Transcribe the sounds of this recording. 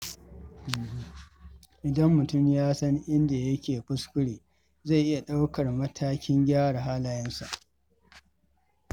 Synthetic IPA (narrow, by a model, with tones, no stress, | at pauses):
ʔɪ˨dɐ˦mːʊ˨tʊ˦˨mjaː˦sɐ˦ŋʔɪ˦nda˨jɐ˦kʲeː˨ɸʊ˦skʷʊ˦ɽeː˨ | za˦˨ʔɪ˦ja˨ɗa˦wkɐ˨rmɐ˦tʰaː˦kʲɪ˦ŋɡʲaː˦ɽa˨ɦaː˦laː˨jɛ˦nsa̰˨ʔ